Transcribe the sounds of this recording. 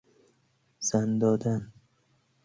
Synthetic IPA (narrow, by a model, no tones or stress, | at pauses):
z̥and̪ɒːd̪an